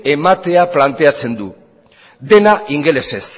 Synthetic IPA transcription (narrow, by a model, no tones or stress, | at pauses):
e̞mat̪e̞aplant̪e̞at͡se̞nd̪u | d̪e̞naʔiŋɡe̞le̞se̞s